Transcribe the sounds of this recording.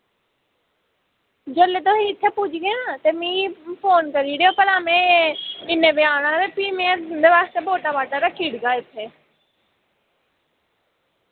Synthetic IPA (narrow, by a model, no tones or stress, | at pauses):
d͡ʒəlet̪oːɦiɪt̪ʰːepʊd͡ʒʱɡəjãt̪emĩːpʰoːnkəɾiɽjoːpəɾamẽeɪnẽbɪaːɽ̃ãːɾepiːmeɾnd̪eʋaːst̪eːboːʈabaːʈaɾakʰiːɽɡaːɪt̪ʰːeː